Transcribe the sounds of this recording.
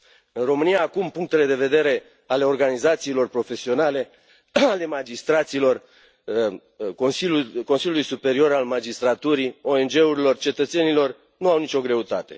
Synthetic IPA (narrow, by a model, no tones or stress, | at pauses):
ɨnro̞mɨnijaːkumpuŋk̚t̪e̞le̞d̪e̞ve̞d̪e̞ɾe̞ | ale̞o̞rɡanizat̪siːlo̞rpɾo̞fe̞sio̞nale̞ | ale̞mad͡ʒist̪ɾat̪silo̞r | osiko̞nsiljulujsupe̞ɾio̞ɾalmad͡ʒist̪ɾat̪uɾio̞e̞nd͡ʒe̞uɾilo̞rt͡ʃe̞t̪ət̪se̞nilo̞r | nuawnit͡ʃʲo̞ɡɾe̞ut̪at̪e̞̰